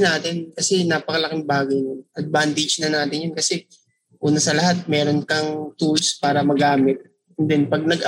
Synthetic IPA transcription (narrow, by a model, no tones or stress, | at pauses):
naːt̪ɪnkɐsɛnaːpɐkɐlɐkɪŋbaːɡɐjnonʔɐd̪̚bant̪ɪd͡ʒnɐnaːt̪ɪnjʊnkɐsɛ | ʔuːnɐsɐlɐɦat̪̚mɛːɾo̞nkɐŋt̪ulspaːɾɐmɐɡaːmɪt̪̚ | ɛnd̪ɛnpɐɡ̚nɐɡʔ